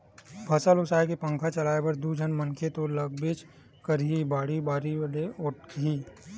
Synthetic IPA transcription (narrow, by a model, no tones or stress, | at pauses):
bʱɐsalʊsaːjkepə̃ŋkʰat͡ʃɐlaːebɐɾd̪uːd͡ʒʱənmɐŋkʰet̪olɐɡbeːt͡ʃ | kəɾibaːɽibaːɾileoʈiː